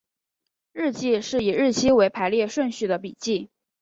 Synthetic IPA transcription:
ɻɻ̩˥˧t͡ɕi˥˧ʂɻ̩˥˩i˨˩ɻɻ̩˥˩t͡ɕʰi˥we˧˥ɪpʰa˧˥ɪljɛ˥˧ʂwə˥˧nɕy˥˩d̪ə˩p̬i˨˩t͡ɕi˥˩

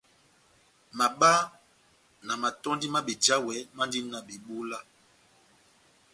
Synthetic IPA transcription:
ma˨ɓa˦ | na˨ma˨tɔ˦ndi˦ma˦bi˨d͡ʒa˦wɛ˨˦ma˦ndi˦na˨bi˨ɓu˦la˦

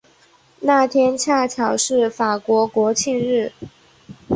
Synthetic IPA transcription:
na˥˩t̪ʰjɛ˥nt͡ɕʰja˥˩t͡ɕʰjɑ˨˩ʊʂɻ̩˥˩fa˨˩kwɔ˧˥kwɔ˧˥t͡ɕʰi˥˧nɻɻ̩˥˩

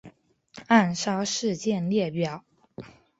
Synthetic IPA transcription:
a˥˩nʂɑ˥ʊʂɻ̩˥˧t͡ɕjɛ˥˧nljɛ˥˩pjɑ˨˩˦ʊ

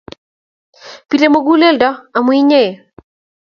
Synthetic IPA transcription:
pi˨ɾe˨mo˦ɡu˦le˦ldɔ˦a˨mwi˦ɲe˦˨

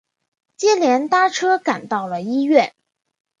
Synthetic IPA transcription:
t͡ɕjɛ˥ljɛ˧˥nt̪a˥˩ʈ͡ʂʰɤ˥ka˨˩nt̪ɑ˥˩ʊlə˩i˥ɥɛ˥˩

